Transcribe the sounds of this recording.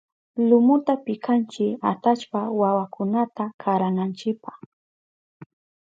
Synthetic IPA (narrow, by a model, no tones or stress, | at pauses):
lʊmʊt̪apɪkʰant͡ʃɪat̪at͡ʃpawawakʊnat̪akʰaɾanant͡ʃɪpaχ